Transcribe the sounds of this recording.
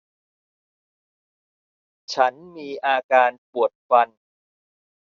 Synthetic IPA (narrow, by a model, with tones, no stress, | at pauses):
t͡ɕʰa˦˥nmiː˧ʔaː˧kaː˧npu˨˩ət̪̚fa˧n